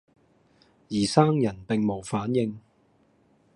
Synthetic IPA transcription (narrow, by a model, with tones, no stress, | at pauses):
jiː˨˩saː˥ŋjɐ˨˩npɪ˨ŋmo˨˩wfaː˨˥njɪ˧ŋ